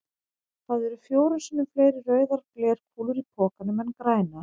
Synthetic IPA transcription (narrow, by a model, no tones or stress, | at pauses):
θaðɛɾʏfjoːwɾʏsɪnːʏmfleːjɾɪrœːɥðaɾklɛːɾ̥kʰuːlʏɾipʰɔːkanʏmɛnkɾaːjna